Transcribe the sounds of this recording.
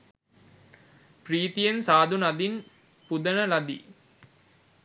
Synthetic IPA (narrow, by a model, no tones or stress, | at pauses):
priːt̪ijensaːd̪unad̪in | pud̪ənəlad̪ḭː